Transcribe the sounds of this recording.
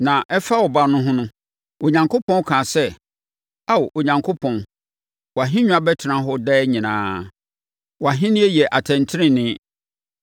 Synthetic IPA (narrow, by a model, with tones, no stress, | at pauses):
nã˨ʔɛ˦fa˦wɔ˨ba˨nʊ̃˦ɦʊ̃˦nʊ̃˦ | o˨ɲã˨ŋkʰo˦pʰɔ̃˦kʰãː˨sɛ˦ | a˦wʔo˨ɲã˨ŋkʰo˦pʰɔ̃˨n | wɔ˨a˨ɦɪ̃˦ɲ̃ᶣ˦ã˨˦bɛ˦tʰɪ˨nã˦ɦʊ˦dɛː˦ɲĩ˨nãː˦ | wɔ˨a˨ɦɪ̃˦nɪ̃˦ɛ˦jɛ˨ʔa˨tʰɛ̃˨ntʰɪ˦ɾɪ̃˦nɪ̃˦